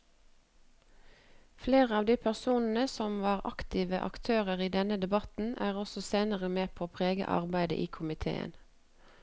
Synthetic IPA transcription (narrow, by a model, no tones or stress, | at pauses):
fleːʁəɑːʋd̪iːpʰæʁsuːnn̩əsɔmʋɑːʁɑkt̪ɪʋəʔɑ̰kt̪ʰøːʁəʁiːd̪ɛnəd̪ɛbɑt̪n̩æːʁɔsɔseːnəʁəmeːpʰoːpʰʁeːɡə̰ʔɑ̰ʁbæɪd̪ə̰ʔiːkʰʊmɪt̪ʰḛːə̰n